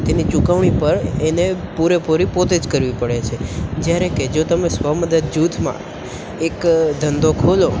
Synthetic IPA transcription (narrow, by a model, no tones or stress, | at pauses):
t̪enit͡ʃukəʋɳ̃ipəɾenepuɾepuɾipot̪ed͡ʒkəɾʋipəɽet͡ʃʰed͡ʒjaɾeked͡ʒot̪əmesʋəməd̪əd̪̚d͡ʒut̪ʰmã̰ | ekd̪ʱənd̪okʰolo